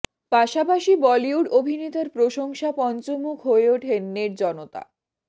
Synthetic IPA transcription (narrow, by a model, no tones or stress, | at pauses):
paʃapaʃibɔliuɖobʱinet̪aɾpɾoʃoŋʃapɔnt͡ɕomukʰɦoeoʈʰenːeɾd͡ʑɔnot̪a̰